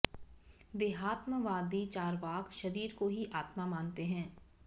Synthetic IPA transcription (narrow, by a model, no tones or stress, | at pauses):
ʋeːɦaːt̪məʋaːd̪it͡ʃaːɾʋaːkʃɐɾiːɾkoɦiʔaːt̪mamãːnt̪eɦɛ̃ː